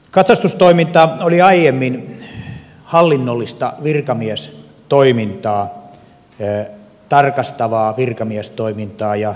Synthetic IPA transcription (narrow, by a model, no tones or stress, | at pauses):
kɑt̪sɑst̪ust̪oimint̪ɑoliɑijemːin | hɑlːinːolːist̪ɑ̰ʋirkɑmiæs | t̪oimint̪ɑː | t̪ɑrkɑst̪ɑʋɑːʋirkɑmiest̪oimint̪ɑːjɑ